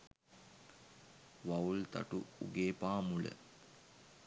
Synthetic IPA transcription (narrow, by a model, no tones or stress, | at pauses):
ʋault̪a̰ʈuuɡeːpaːmulə̰